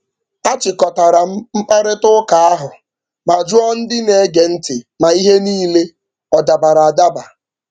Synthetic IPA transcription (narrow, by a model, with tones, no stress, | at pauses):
a˦t͡ʃɪ˨kɔ˨ta˨ɾa˨˦m̩˦k͡pa˦ɾɪ˦tʊ˦ka˨a˦ɦʊ˨ | ma˨d͡ʒʊ˦ɔ˦n̩˦dɪ˦ne˨˦ɡe˨n̩˦tɪ˨ma˨i˦ɦe˦niː˦le˦ | ɔ˨da˨ba˨ɾa˨a˨da˦ba˨